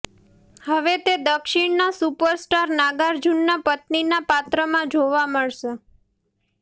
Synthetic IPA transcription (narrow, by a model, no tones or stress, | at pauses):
həʋet̪ed̪əkʃɪɳnasupəɾsʈaɾnaɡaɾd͡ʒunːapət̪ninapat̪ɾəmãd͡ʒoʋaməɭʃe